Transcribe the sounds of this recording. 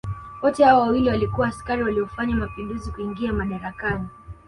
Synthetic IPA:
wɔtɛhawawawiliwalikuwaːskaɾiwaliɔfaɲamapinduzikuiŋɡiamaɗaɾakani

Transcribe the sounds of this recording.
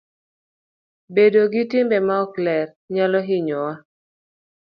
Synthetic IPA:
bedoɡitɪmbɛmaɔklɛr | ɲalɔɦɪɲɔwa

